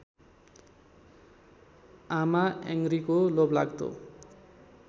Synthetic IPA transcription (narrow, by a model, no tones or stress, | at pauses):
amaḛŋɡɾikolobla̰ɡd̪o̰